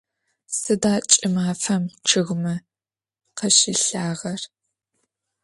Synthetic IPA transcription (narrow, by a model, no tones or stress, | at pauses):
sɨdaːt͡ʃʼɪmaːfɐmt͡ʃʰɨɣmɐ | qɐʃiːɬaːʁɐr